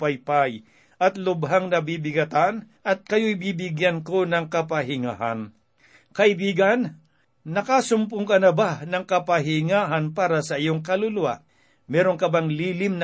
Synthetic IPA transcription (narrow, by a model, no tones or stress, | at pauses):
pɐjpaj | ʔɐt̪lʊbɦaŋnɐbiːbɪɡɐt̪anʔɐt̪̚kɐjoʔɪbiːbɪɡjanko̞nɐŋkɐpɐɦɪŋa̰ːhɐn | kɐʔɪbiːɡɐnː | ɐkasʊmpʊŋkɐnɐbanɐŋkɐpɐɦɪŋaːɦɐnpaːɾɐsɐʔɪjoŋkɐlʊlʊwa̰ʔ | mɛːɾoŋkɐbaŋliːlɪmnɐ